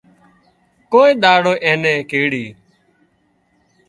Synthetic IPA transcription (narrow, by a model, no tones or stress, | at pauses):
koːiːɗ̪aːɽoːʔẽːnẽːkeːɽiː